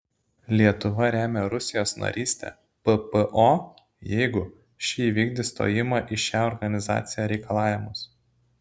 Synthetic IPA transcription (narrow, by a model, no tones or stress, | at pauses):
lʲiɛt̪ʊʋɐɾʲæːmʲeɾʊsʲɪjoːsnɐ̰ɾʲʔiːsʲt̪ʲɛ̰ | pəpəʔoː | jɛɪɡʊ | ʃʲiiʋʲiːɡd̪ʲɪst̪o̰ːjɪmɑːʔɪʃʲæːɔɾɡɐnʲɪzɑ̰ːt̪sʲɪjæːɾʲɛɪkɐlˠɑːʋʲɪmʊs